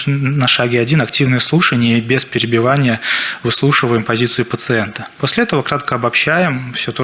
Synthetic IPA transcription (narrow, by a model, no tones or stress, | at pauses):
nɐʂaɡʲɪɐdʲinɐktʲivnɨjəslˠuʂənʲɪjəbʲespʲɪɾʲɪbʲɪvanʲɪjəvɨslˠuʂɨvəjɪmpɐzʲit̪sɨjʊpət̪sɨɛnt̪əposʲlʲɪɛt̪əvəkɾat̪kəɐbɐpɕːæjɪmfsʲot̪